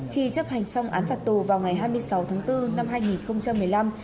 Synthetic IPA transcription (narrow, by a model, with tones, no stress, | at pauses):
xi˧t͡ɕə˦˥p̚ha˨˩jŋ̟sa˧wŋ͡mʔa̰ː˨˦nfaː˨˩t̚t̪u˨˩vaː˨˩wŋa˨˩jɦaː˧jmɨ˧əjsa˨˦wt̪ʰaː˨˦ŋt̪ɨ˧na˧mɦaː˧jŋi˨˩nxə˧wŋ͡mt͡ɕa˧mːɨ˨˩əjla˧m